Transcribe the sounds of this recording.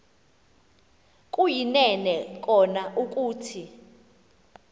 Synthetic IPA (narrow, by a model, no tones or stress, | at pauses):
k̬ʼujinɛnɛk̬ʼɔnaʔuk̬ʼuːtʰi